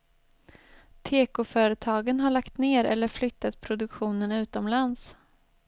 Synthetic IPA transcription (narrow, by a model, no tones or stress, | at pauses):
t̪ʰeːkʊfœːɾət̪ʰɑːɡənɦaɭakt̪neːɾɛ̰lːəɾflʏt̪ːat̪̚pʰɾʊd̪ɵkɧuːnənʉ̟ːt̪ɔmlans